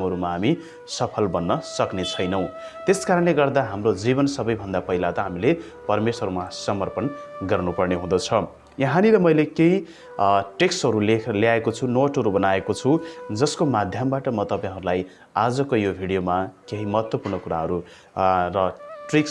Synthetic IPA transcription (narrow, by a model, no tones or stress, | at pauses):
mɦʌɾumaɦami | sʌpʰʌlbʌnːʌsʌknet͡sʰʌjnʌw̃t̪eskaɾʌnleɡʌrd̪aɦamrod͡zibʌnsʌbʌjbʱʌnd̪apʌɦilat̪ʌɦamile | pʌrmesʌɾumasʌmʌrpʌnɡʌrnupʌrneɦũd̪ʌt͡sʰʌ | jʌɦaniɾʌmʌjlekeɦi | ʈeksʈɦʌɾuleleaekot͡sʰunoʈʌɾubʌnaekot͡sʰud͡zʌskomad̪ʱjʌmbaʈʌmʌt̪ʌpãɦʌɾulaj | ad͡zʌkojobʱiɽijomakeɦimʌɦʌt̪wʌpurɳʌkuɾaɦʌɾu | rʌʈrik